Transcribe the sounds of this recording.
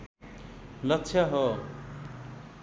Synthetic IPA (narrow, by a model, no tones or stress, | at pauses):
lʌtːsʰjaɦʌ